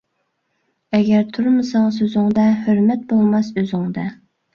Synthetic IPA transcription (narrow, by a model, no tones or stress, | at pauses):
ɛɡʲɛɾt̪ʰuɾmɨsɑŋɑs̬øzɪŋd̪ɛhøɾmɛt̪̚bolˠmɑsøzɪŋd̪ɛ